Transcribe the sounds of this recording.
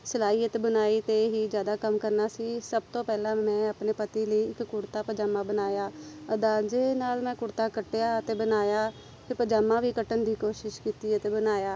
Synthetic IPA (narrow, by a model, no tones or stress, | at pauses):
səlaːiːət̪ebənaːiːt̪eɦiːd͡ʒjaːd̪aːkəmkəɾnaːsiːsəb̚t̪õːpɛːlãːmɛ̃ːaːpneːpət̪iːləiːɪkːʊɾt̪aːpəd͡ʒaːmːãːbənaːjaːəd̪ãːd͡ʒeːnaːlmɛ̃ːkʊɽt̪aːkəʈjaːət̪eːbənaːjaː | pʰɪɾpəd͡ʒaːmːãːʋiːkəʈənd̪iːkoːʃɪʃkiːt̪iːət̪eːbənaːjaː